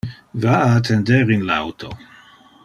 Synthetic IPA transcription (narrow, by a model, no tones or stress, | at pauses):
vaaːt̪ʰɛnd̪ɛɾinla̰wt̪ʰo